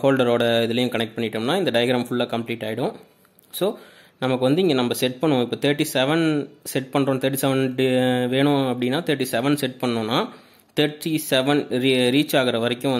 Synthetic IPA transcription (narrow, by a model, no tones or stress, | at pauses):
hoːlɖɐɾoːɽɐɪðɯlɐjʊ̃kɐɳɛk̚ʈ̚pɐɳːɪʈːɯmnːaːɪnd̪ɐɖɐjɐɡɾaːmfʊɭːaːkɐmpliːʈːaːjɪɽʊ̃ | soː | nɐmɐkːɯʋɐnd̪ɯɪŋɡenɐmːɐsɛʈ̚pɐɳːõɪpːoːt̪ɐːɾʈːisɛʋɐnsɛʈ̚pɐɳɾõːt̪ʰɐːɾʈ̬ːisɛʋɐnɖʋeːɳʊ̃ɐpːɐɽɪnːaːt̪ɐːɾʈːisɛʋɐnsɛʈ̚pɐɳːʊ̃ːnːaː | t̪ɐʈːisɛʋɐnɾiɾiːt͡ʃːaːɣɪɾɐʋɐɾɛkʲːʊ̃ʋɐ